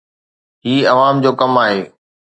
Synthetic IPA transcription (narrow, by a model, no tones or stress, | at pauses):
ɦiːɐʋaːmd͡ʑoːkɐmaːɦeː